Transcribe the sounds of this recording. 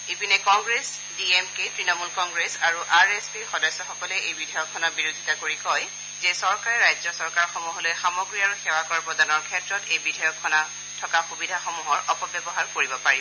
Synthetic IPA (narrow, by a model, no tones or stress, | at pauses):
ipinɛkɔŋɡɹes | diemketɹinɔmulkɔŋɡɹesaɹuʔaɹespiɹxɔdɔjsɔxɔkɔlɛʔejbidʱajɔkʰːɔnabiɹodʱitakoɹikɔj | zɛsɔɹkaɹɛɹajzɔsɔɹkaɹxɔmuɦɔlojxamɔɡɹiaɹuxewakɔɹapɹɔdanɔɹkʰɛtɹɔtejbidʱɔjɔkʰːɔna | tʰɔkaxubidʱaxɔmuɦɔɹʔɔpɔbjɔbɔɦaɹkoɹibɔpaɹibɔ